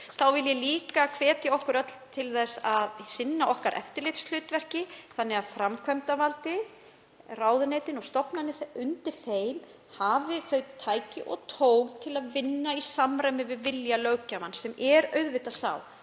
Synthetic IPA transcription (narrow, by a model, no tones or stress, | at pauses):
θawvɪljɛliːkakʰvɛːt̪ɪɔhkʏɾœt̪l̥t̪ʰɪlθɛsaðsɪnːaʔɔhkaɾʔɛ̰ft̪ɪɾlɪht̪sl̥ʏːt̪vɛr̥cɪθanːɛɣaðfɾamkʰvœmt̪avalt̪ɪ | raːwðʏnejt̪ɪnɔɣst̪ɔpnanːɪθʏnt̪ɪɾ̥θejl | havɪθœɥt̪ʰːaːjcɪʔɔ̰ɣt̪ʰoːwɣt̪ʰɪlaðvɪnːaisamɾaɥmɪvɪðvɪljalœːɥcamansɛmʔɛɾœɥðvɪt̪asa̰ːw